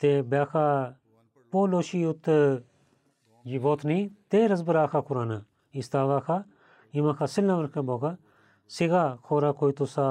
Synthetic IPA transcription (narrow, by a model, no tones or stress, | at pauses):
t̪eːbjaːkʰaː | poːloːʃiːʊt̪ː | jiboːt̪nĩːt̪eːɾɐzbəɾaːkʰaːkʊɾaːnaː | ist̪aːʋaːkʰaː | imãːkʰaːsɪlãːʋəɾkʰãboːkʰaː | sɪɡaːkʰoːɾaːkoːit̪usaː